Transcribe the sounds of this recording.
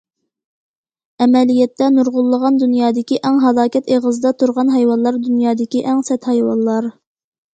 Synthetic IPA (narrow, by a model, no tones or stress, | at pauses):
ɛmɛlijɛt̪ːɛnuɾʁʊlˠːəʁɑnd̪unjɑːd̪ɪkʲiʔæŋɦɑlˠɑːkʲɛt̪eʁəzɨd̪ɑt̪ʰuɾʁɑnɦɛjwɑnlˠɑɾd̪unjɑːd̪ɪkʲiʔɛŋsɛt̪hɛjwɑ̰nlːˠɑɾ